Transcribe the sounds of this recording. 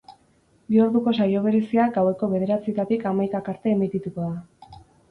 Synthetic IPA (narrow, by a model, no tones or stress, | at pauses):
bio̞ɾðuko̞sajo̞β̞e̞ɾe̞siaɡawe̞ko̞βe̞ðe̞ɾat͡sie̞t̪at̪ikamajkakaɾt̪e̞ːmit̪it̪uko̞ða